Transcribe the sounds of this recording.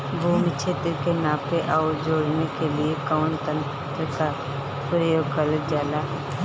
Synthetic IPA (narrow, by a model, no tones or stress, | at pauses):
bʱuːmit͡ʃʰeːt̪ɾkenãːpeʔaʊd͡ʒoːɽnekeliekəːɳt̪ə̃n | t̪ɾəka | pɾəjoːɡkələd͡ʒaːlaɦɛː